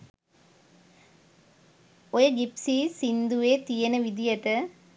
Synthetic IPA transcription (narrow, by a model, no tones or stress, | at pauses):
ɔjɐɡɪpsisind̪ueːt̪ijɐnɐʋid̪ijɐʈɐ